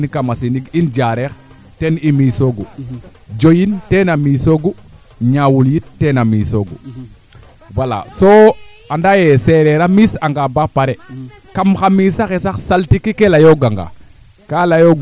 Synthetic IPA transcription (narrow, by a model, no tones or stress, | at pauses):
nkamasiniɡind͡ʒaɾex | tenimisoɡu | d͡ʒojintenamiːsoɡu | ɲawuljit̚tːenamisoɡṵ | wala̰so | andajeseɾeɾamisaŋɡabapaɾe | kamxamisaxesaxsaltikikelajoɡaŋɡa̰ | kalajoɡ